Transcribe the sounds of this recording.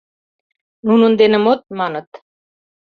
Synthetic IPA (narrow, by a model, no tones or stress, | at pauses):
nunɤ̆nd̪enɘ̆mot̪̚mɑnɤ̆t̪